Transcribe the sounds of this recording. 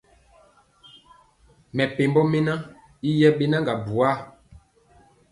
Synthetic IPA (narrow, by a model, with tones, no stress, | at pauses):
mɛ˨pe˨mbɔ˦me˦na˦ | i˦jɛ˦ɓe˦na˦ŋɡa˨bu˨a˦˨